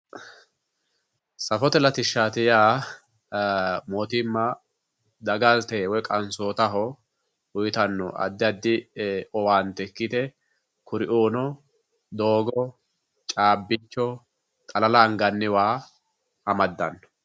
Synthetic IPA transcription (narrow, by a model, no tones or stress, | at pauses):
sɐfɔt̪ɛlɐt̪ɪʃːaːt̪ɪjaː | moːt̪ɪmːɐ | d̪ɐɡɐlt̪ewɔkʼɐnsoːt̪ɐɦɔ | wʊjt̪ɐnːɔ̰ʔɐ̰d̪ːɪɐd̪ːɪɔwaːnt̪ɛkːɪt̪ɛ | kʊɾɪʔuːnɔ | d̪o̞ːɡɔ | t͡ʃʼaːbːɪt͡ʃːɔ | t̪ʼɐlɐlɐŋɡɐnːɪwaː | ɐmɐd̪ːɐ̰nːɔ̥